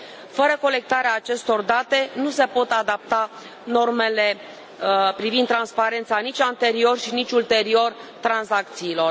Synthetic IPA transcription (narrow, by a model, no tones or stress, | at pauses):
fəɾəko̞le̞k̚t̪aɾeaːt͡ʃe̞st̪o̞rd̪at̪e̞nuse̞po̞t̪ad̪ap̚t̪a | no̞rme̞le̞ | pɾivinːɾanspaɾe̞nt̪sanit͡ʃʲant̪e̞ɾio̞rʃinit͡ʃʲult̪e̞ɾio̞rt̪ɾansak̚t̪siːlo̞r